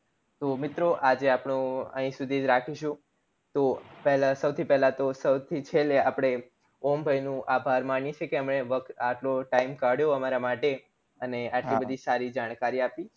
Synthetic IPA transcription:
t̪omɪt̪ɾoʔad͡ʒeapɳ̃ũə̰ɦĩsud̪ʱid͡ʒɾakʰiʃũ | t̪opɛɦlasəwt̪ʰipɛɦlat̪osəwt̪ʰit͡ʃʰeleapɽ̃e | ombʱəjnũʔabʱaɾmanjit͡ʃʰekeəmɳeʋəkt̪aʈloʈaimkaɽjoəmaɾamaʈe | əneaʈlibəd̪ʱisaɾid͡ʒaɽ̃kaɾiapi

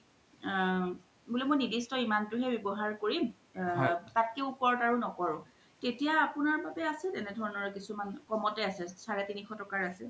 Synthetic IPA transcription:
bulɛmɔjnidistɔimantʊɦɛbebɔɦaɹkoɹim | tat̚keupɔɹɔtaɹunɔkɔɹʊ̃ | tetijaːpunaɹbabɛasɛlɛnɛdʱɔɹɔnɔɹkisumankɔmɔtɛasɛsaɹɛtinixɔtɔkaɹasɛ

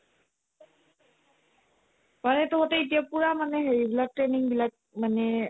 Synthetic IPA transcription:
panɛtɔɦɔtɛit̬ijapuɹamanɛɦeɹibilak̚tɹeniŋbilak̚manɛ

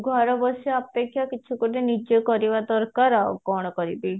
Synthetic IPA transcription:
ɡʱɔɾɔbɔsɔapekʰjakit͡ʃʰukuʈenid͡ʒɔkɔɾibad̪ɔɾkaɾa̰kɔɽ̃ɔkɔɾibi

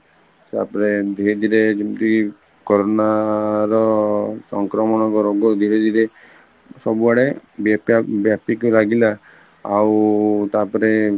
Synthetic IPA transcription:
t̪a̰pɔɾed̪ʱiɾed̪ʱiɾed͡ʒimt̪i | kɔɾɔnaɾɔsɔŋkɾɔmɔɽ̃ɔkɔɾoɡɔd̪ʱiɾed̪ʱiɾe | sɔbuaɽebapabjapikɾaɡila | awt̪apɔɾe

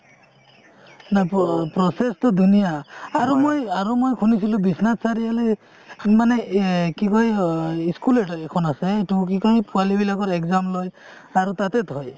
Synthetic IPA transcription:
nappɾɔsestɔd̪ʱunijaːɾumojaɾumojkʰunisilũbisnat̪saɾiale | manekikɔɦiiskuleʈɔekʰɔnaseʈukikɔɦipualibilakɔɾekzamloj | aɾut̪at̪et̪ɦɔj

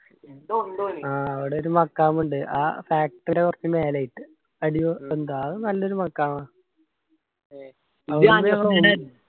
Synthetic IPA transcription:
end̪uɳɖuaːɐʋiɽe̞o̞ɾumɐkːaːmuɳɖɨʔa̰ːfaːk̚ʈɐɾekurɐt͡ɕːɐmeːlɐjiʈːɨ | ɐɽiʋend̪aːðɨnɐlːo̞ɾumɐkːaːmaː | ɐʋmesɐ

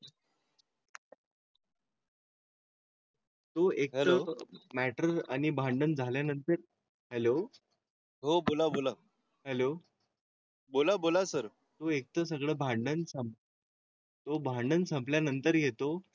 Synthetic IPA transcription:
t̪oek̚ɦt̪əmæʈəɾa̰ñibʱaɳɖənd͡zʱaljanənt̪əɾ | hɛlo | ɦobolabola | hɛlo | bolabolasəɾ | t̪oek̚t̪əsəɡɭəːbʱaɳɖənsəm | t̪obʱaɳɖənsəmpljanənt̪əɾjet̪o

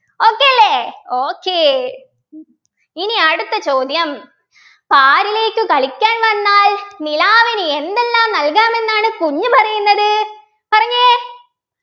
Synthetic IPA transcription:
oːkːeːɐlːeːoːkːeː | iniɐɽut̪ːɐt͡ɕo̞ːd̪jɐm | paːɾile̞ːkːɨkɐɭikʲːaːnʋɐnːaːlnilaːʋinɨend̪elːaːmnɐlkaːme̞nːaːɳɨkuɲːupɐrɐjunːɐðɨ | pɐrɐɲːe

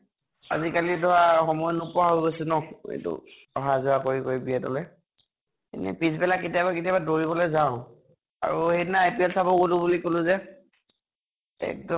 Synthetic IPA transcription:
a̰zikalidʱɔɹaxɔmɔjɔnupɔaɦoɡosɛnɔkḛtʊ̰ | ɔɦazʊakoɹikoɹibiɛtɔ̰lɛ | ḛnɛ̰pisbɛlakːetijabaketijabadoɹibɔlojzaʊ̃ | a̰ɹuhejdinaːjpiɛlsʰabɔɡolʊbulikolʊ̃zɛ | ɛ̰k̚dɔ

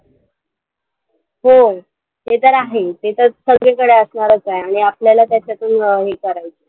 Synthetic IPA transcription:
ɦo | ɦet̪əɾaɦet̪et̪əɾsəɡɭekəɽeəsɳaɾət͡saeaɽ̃iapljalat̪jat͡ɕat̪uːnɦekəɾajt͡se

